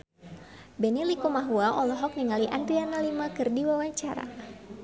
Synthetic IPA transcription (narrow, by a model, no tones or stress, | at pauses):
bɛnilikomaɦuaʔɔlɔɦɔk̚niŋaliʔant̪ianalimakɨrdiwawaɲt͡ʃaɾa̰